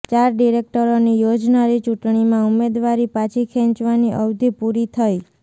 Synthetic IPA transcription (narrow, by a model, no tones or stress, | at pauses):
t͡ʃaɾɖiɾek̚ʈəɾonijod͡ʒnaɾit͡ʃuʈɳimãumed̪ʋaɾipat͡ʃʰikʰɛ̃nt͡ʃʋaniʔəwd̪ʱipuɾit̪ʰəj